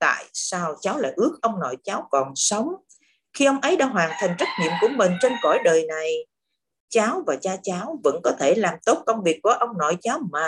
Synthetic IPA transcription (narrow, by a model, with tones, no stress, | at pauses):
t̪a̰ː˧˨jsaː˧wt͡ɕaː˨˦wla̰ː˧˨jʔɨ˦˥ək̚ʔə˧wŋ͡mnɔ̰˧˨jt͡ɕaː˨˦wkɔ˨˩nsə˨˦wŋ͡m | xi˧ʔə˧wŋ͡mʔə˨˦jɗa̰ː˧˥ɦwaː˨˩nt̪ʰa˨˩jŋ̟zə˦˥t̚ɲḭ˧˨əmku˧˩əmï˨˩ŋ̟t͡ɕe˧nkɔ̰˧˩jɗəː˨˩jna˨˩j | t͡ɕaː˨˦wvaː˨˩t͡ɕaː˧t͡ɕaː˨˦wvə̰˧˥nkɔ˨˦t̪ʰe˧˩laː˨˩mt̪o˦˥t̚kə˧wŋ͡mvi˨˩ək̚vɔ˨˩˦ʔə˧wŋ͡mnɔ̰˧˨jt͡ɕaː˨˦wmaː˨˩